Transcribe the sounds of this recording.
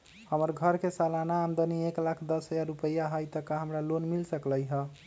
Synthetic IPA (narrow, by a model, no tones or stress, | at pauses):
həməɾɡʱəɾkesalanaːmd̪ənieklakʰd̪əsɦəd͡ʒaɾupəjaɦəjt̪əkaɦəmɾalonmilsəkləjɦə